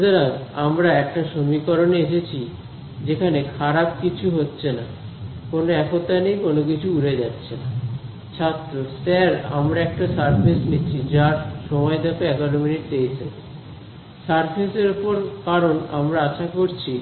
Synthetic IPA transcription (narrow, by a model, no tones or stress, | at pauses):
d͡ʑeɾaŋamɾaɛk̚ʈaʃomikɔɾoneeʃet͡ɕʰi | d͡ʑekʰanekʰaɾab̚kit͡ɕʰuɦotːɕʰena | konoɛkot̪anejkonok̬it͡ɕʰuuɽed͡ʑatːɕʰena | t͡ɕʰat̪ːɾosɛɾa̰mɾaɛk̚ʈasaɾpʰesnit͡ɕʰid͡ʑaɾʃɔmɔed̪ɛkeɛkaɾominiʈ̚t̪ejsʰe | saɾpʰeseɾupoɾkaɾona̰mɾaaʃakoɾt͡ɕʰi